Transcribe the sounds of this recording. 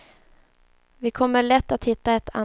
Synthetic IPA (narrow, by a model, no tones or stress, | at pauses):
vɪkʰɔmːəɭɛt̪ːat̪hɪt̪ːaɛt̪ʰa̰